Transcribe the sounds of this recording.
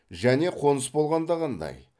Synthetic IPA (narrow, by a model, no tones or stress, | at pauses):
ʒæne̞qʰo̞nəsbo̞lˠʁɑnd̪ɑʁɑnd̪ɑ̰j